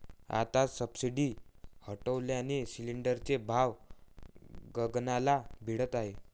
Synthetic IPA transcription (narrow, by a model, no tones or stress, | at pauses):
a̰t̪asəbsiɖiːhəʈəʋljanesiliɳɖəɾt͡sebʱaʋ | ɡəɡnalabʱiɽət̪aɦe